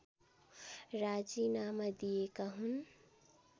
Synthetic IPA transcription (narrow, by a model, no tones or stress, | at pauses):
ɾad͡ʒinaməd̪iekaɦun